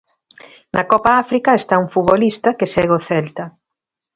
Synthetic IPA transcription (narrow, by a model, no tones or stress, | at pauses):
nʔɐkɔpaafɾikɐest̪auŋfuβolist̪ɐkesɛɣoθɛlt̪ɐ